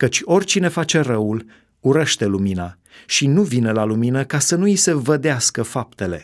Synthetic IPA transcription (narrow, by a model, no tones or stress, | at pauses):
kət͡ʃʲo̞rʲt͡ʃine̞fat͡ʃe̞rəul | uɾəʃt̪e̞lumina | ʃinuvinəlaluminəkasənuise̞vəd̪easkəfap̚t̪e̞le̞̰